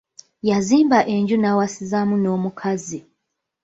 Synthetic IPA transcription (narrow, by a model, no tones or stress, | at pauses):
jaziːmbaʔe̞ɲɟunawasizamuno̞ːmukʰazi